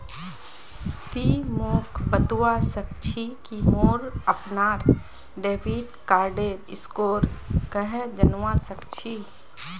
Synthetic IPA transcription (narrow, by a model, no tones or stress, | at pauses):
t̪imoːkʰpət̪uwasək̚t͡ʃʰikimoːɾəpnaːɾ | ɖeːpiːʈkaːɾɖeɾɪskoːɾkəɦɛ̃d͡ʒənwasəkt͡ʃʰi